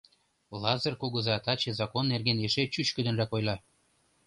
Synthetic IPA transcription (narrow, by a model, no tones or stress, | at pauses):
lˠɑzɤ̆rkuɣɤ̆zɑt̪ɑt͡ɕezɑkonːerɣeneʃet͡ɕyt͡ɕkə̆d̪ə̆nrækojlˠɑ